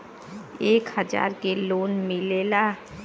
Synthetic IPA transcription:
eːkhəd͡ʒa̰ːɾkeloːnmɪlela

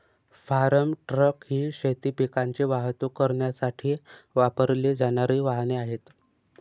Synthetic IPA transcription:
faɾəmʈɾəkɦiːɕet̪ipikaɲt͡ɕeʋaɦt̪okəɾɳjasaʈʰiːʋapəɾled͡zaɽ̃aɾiːʋaɦneaɦet̪

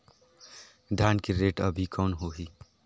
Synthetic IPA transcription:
ɖ̪ʱaːnkiɾeːʈəbʱikɔːnɦoːɦiː

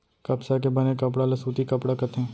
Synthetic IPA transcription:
kɐpsak̬ebɐnekɐp̬ɽalɐsuːt̪ikɐpɽakɐt̪ɦɛ̃ː

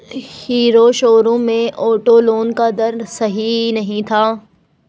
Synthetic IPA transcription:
hiːɾoʃoːɾõmẽʔoːʈoloːnkad̪ɐɾsɐɦinɐɦĩt̪ʰaː

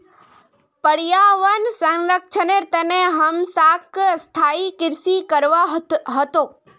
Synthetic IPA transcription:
pəɽijaʋənsə̃nɾəkt͡ʃʰəneɾt̪əneɦəmsaːkst̪ʰaːikɪɾsikəɾʋaɦət̪oː

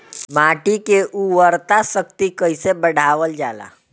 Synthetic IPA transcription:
maʈikeʔuʋəɾt̪asək̚t̪ikəɪsebəɽʱaʋəld͡ʒaːla̰

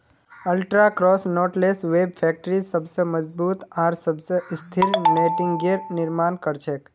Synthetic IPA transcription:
əlʈɾakɾɔːsnɔːʈlesʋeːbfʰɛk̚ʈɾisəbseməd͡ʒbuːt̪aːɾsəbseɪst̪ʰɪɾneːʈɪŋɡeɾnɪɾmaːnkəɾt͡ʃʰek

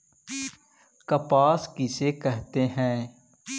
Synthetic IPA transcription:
kɐpaːskisekɛɦt̪eɦɛ̃ː

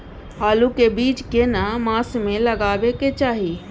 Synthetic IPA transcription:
ɦaːlukebiːt͡ʃkenamaːsmẽlɐɡaːʋeket͡ʃaːɦi

